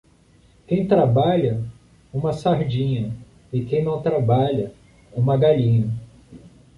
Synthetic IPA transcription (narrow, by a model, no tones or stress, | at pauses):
kẽj̃t̪ɾabaʎɐ | ũmɐsaɾd͡ʒĩɲɐ | ɪkẽj̃nɐ̃w̃t̪ɾabaʎɐ | ũmɐɡaʎĩɲɐ